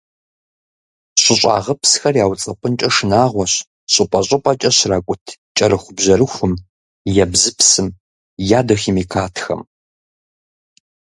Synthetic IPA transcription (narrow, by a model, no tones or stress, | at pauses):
ɕʷʼɪɕʷʼɑ̰ːʁɐpsxɐrjaːwt͡sʼɐpʼɨnt͡ʃʼɐʂɨnaːʁʷɔɕ | ɕʼɪpʼɐɕʼɐpʼɐt͡ʃʼɐɕraːkʷʼʊtʰt͡ʃʼɐrɨxʷʊbʑɐɾɨxʷʊm | jɛbzɨpʰsɨm | jaːdɐximikʰaːtʰxɐ̰m